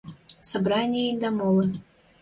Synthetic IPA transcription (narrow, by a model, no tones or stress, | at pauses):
sabɾanʲɪjəind̪ɐmɔlˠɨ